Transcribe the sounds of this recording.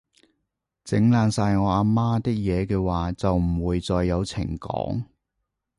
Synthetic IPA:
t͡sɪ˨˥ŋlaː˨˧nsaː˧jŋɔː˨˧aː˧maː˥t̪ɪ˥k̚jɛː˨˧kɛː˧waː˨t͡sɐ˨wm̩˨˩wuː˨˧jt͡sɔː˧jːɐ˨˧wt͡sʰɪ̰˨˩ŋkɔ̰ː˨˥ŋ

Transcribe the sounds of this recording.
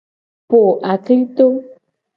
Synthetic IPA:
po˨ʔa˨kli˦t̪o˦

